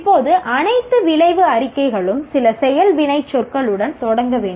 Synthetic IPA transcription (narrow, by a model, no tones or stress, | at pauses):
pːoːðɯʔɐnɐɪt̪ːɯʋɪɭɐɪʋɯɐɾɪkːɐɪɣɐɭɯmsɪlɐsɛjɐlʋɪɳɐɪt͡ʃːɔrkɐɭɯɽɐnt̪ɔɽɐŋɡɐʋeːɳɖ